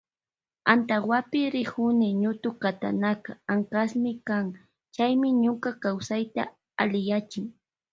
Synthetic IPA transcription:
ant̪aχwapɪɾɪhʊnɪɲʊt̪ʊkat̪a̰nakaaŋkasmɪkaŋ | t͡ʃajmɪɲʊkakawsajt̪a̰ | alɪjat͡ʃɪŋ

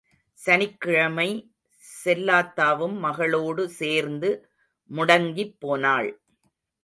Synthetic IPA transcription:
sɐnɪkːɪɻɐmɐɪ | sɛlːaːt̪ːaːʋɯmːɐɣɐɭoːɽɯseːɾnd̪ɯ | mʊɽɐŋɡipːoːnaːɭ

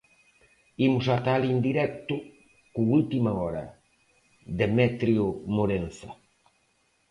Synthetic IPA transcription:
imʊsat̪alind̪iɾɛk̚t̪ʊ | koult̪imɐɔɾɐ̰ | ðemɛt̪ɾjʊmoɾẽn̟θɐ

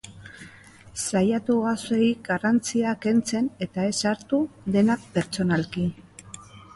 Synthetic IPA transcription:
sajat̪uɣaseiɡarant͡siake̞nt͡se̞ne̞t̪ae̞saɾt̪uðe̞nape̞ɾt͡ʃo̞nalki

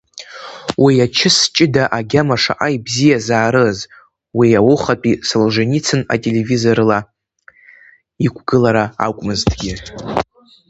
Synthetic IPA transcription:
wiat͡ʃʰɪst͡ʃʼɪdaʔaɡʲamaʂa̰ʔaibzijazaːɾɨz | wiawʊχapʼisalʐanit͡sʰɨna̰tʼe̞le̞vizo̞rla | ikʷʰɡɨlaɾaa̰kʷʼmɨztʰʼɡʲɪ

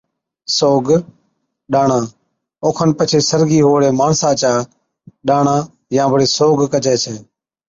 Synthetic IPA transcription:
soːɡ | ɗaːɳãː | oːkʰənpət͡ʃʰeːsəɾɡiːɦoːɽeːmaːɳsãːt͡ʃaː | ɗaːɳãː | jãːʋəɽeːsoːɡkət͡ʃɛːt͡ʃʰeː

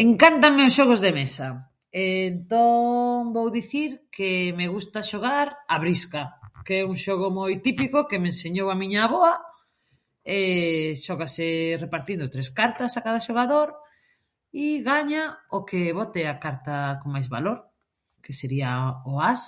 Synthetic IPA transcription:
eŋkant̪ameʊsʃɔɣozðemesa | ent̪oŋbowðiθiɾkemeɣust̪aʃoɣaɾaβɾiskakeɛuŋʃoɣ̞omojt̪ipikokemenseɲowamĩɲaβoa | ɛʃɔɣaserepaɾt̪ind̪ot̪ɾeskaɾt̪asakaðaʃoɣaðoɾ | iɣaɲaokeβɔt̪eakaɾt̪akoŋmajzβa̰loɾ | keseɾiaoas

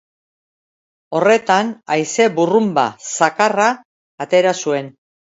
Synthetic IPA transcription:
o̞re̞t̪anajse̞burumba̰sakaraː | t̪e̞ɾasue̞n

